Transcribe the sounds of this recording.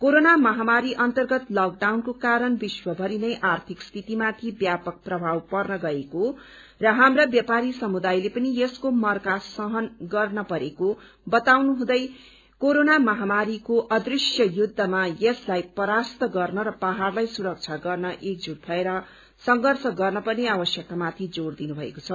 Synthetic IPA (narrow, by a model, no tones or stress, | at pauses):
koɾonamʌɦamaɾiʔʌnt̪ʌrɡʌt̪lʌk̚ɖawnkokaɾʌnbiswʌbʱʌɾinʌjʔart̪ʰikst̪ʰit̪imat̪ʰibjapʌk̚prʌbʱawpʌrnʌɡʌeko | rʌɦamrabjapaɾisʌmud̪ajlepʌnijeskomʌrkasʌɦʌnɡʌrnʌpʌɾeko | bʌt̪awnuɦũd̪ʌj | koɾonamʌɦamaɾikoʔʌd̪risjʌjud̪ʱːʌmajʌslajpʌɾast̪ʌɡʌrnʌɾʌpaɦarlajsuɾʌk̚t͡sʰaɡʌrnʌʔek̚d͡zud̪̚bʱʌeɾʌ | sʌŋɡʌrsʰʌɡʌrnʌpʌrneabʌsjʌk̚t̪amat̪ʰid͡zord̪inubʱʌekot͡sʰʌ